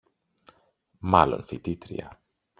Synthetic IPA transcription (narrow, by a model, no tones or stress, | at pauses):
malo̰nfit̪it̪ɾḭa̰